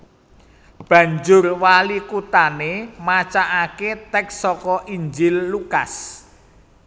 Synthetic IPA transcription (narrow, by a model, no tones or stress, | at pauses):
b̥ä̤ɲd͡ʒʊrwalikut̪anemat͡ʃaʔaket̪ɛksɔkɔʔiɲd͡ʒɪlːukas